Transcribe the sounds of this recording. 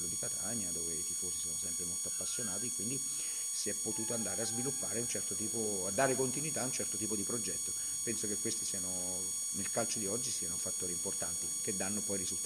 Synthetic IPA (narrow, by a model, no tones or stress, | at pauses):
lːod̪ikat̪ʰaɲːad̪oːveit̪ifoːsisoːnosɛmpɾemolt̪oapːasːjonaːt̪ikːwind̪i | siɛpːot̪uːt̪oand̪aːɾeazvilupːaːɾeunt͡ʃɛrt̪ot̪iːpo | ad̪ːaːɾekont̪inwit̪aunt͡ʃɛrt̪ot̪iːpod̪ipɾod͡ʒɛt̪ːo | pɛnsokekːwest̪isiano | nelkalt͡ʃod̪iɔd͡ʒːisiːanofat̪ːoːɾimport̪ant̪ik̟ed̪ːanːopɔjrizut̪